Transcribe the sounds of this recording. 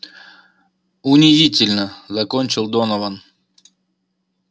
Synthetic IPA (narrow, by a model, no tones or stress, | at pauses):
ʊnʲɪzʲitʲɪlʲnəzɐkonʲt͡ɕɪlˠd̪onəvən